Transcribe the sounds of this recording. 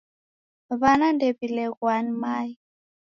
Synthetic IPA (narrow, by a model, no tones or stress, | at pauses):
βanandepilɛɣwanimaːi